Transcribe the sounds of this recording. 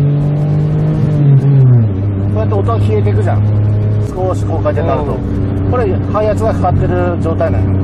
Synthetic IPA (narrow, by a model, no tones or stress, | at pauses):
kojat̪ːeo̞t̪ːoɡakʲiet̪e̞k̬ɯ̟ʑã̰ | sɨ̥ko̞ɕi̥koːkaid̪anait̪o̰ | ko̞ɾe | haiat͡sɨɡakḁkat̪ːe̞ɾɯ̟ | d͡ʑo̞ːt̪ainã̰ɲ̰